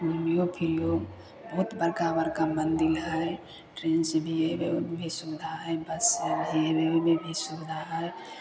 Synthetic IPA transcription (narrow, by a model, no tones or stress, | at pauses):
ulmijopʰilo | bəɦut̪bəɾkabəɾkamənd̪ilɦəe | ʈɾensbʱiebebʱisubd̪ʱaɦəebəsəbʱiebemebʱisubd̪ʱaɦəe